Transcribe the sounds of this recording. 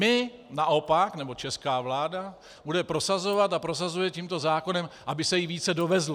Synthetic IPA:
ɪ | naʔo̞paknɛbo̞t͡ʃɛskaːvlaːda | budɛpɾo̞sazo̞vat̪apɾo̞s̬azujɛciːmt̪o̞zaːko̞nɛmʔabɪsɛjɪviːt͡sɛdo̞vɛzl

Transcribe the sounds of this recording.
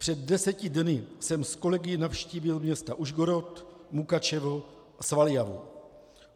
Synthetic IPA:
pr̝̥ɛd̚dɛsɛcɪdnɪsɛmsko̞lɛɡɪnafʃciːbɪlmɲɛst̪aʔuʒɡoɾot̪mukat͡ʃɛvo̞ | svaljavṵ

